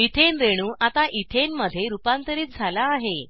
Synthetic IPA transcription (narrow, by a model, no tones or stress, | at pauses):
it̪ʰenɾeɽ̃uːʔat̪aʔit̪ʰenməd̪ʱjeɾupant̪əɾiːt͡s̚d͡zʱalaːɦe